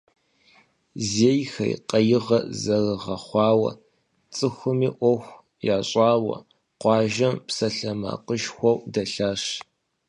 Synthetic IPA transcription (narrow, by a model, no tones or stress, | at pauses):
zeːjxɐ̰jqɐjɪʁɐzɐrɨʁɐχʷɑːwɐ̰ | t͡sʼɨxʷʊmiːʔʷɔxʷ | jaːɕʼɑːwɐ̰ | qʷɑːʒɐmpsɐɬɐma̰ːqəʃxʷɔwdɐɬaːʂ